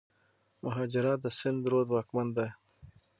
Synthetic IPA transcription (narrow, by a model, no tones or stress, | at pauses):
mʊɦɑːd͡ʒɪɾɑt̪̚d̪əsɪnd̪ɾod̪wɑːkmand̪a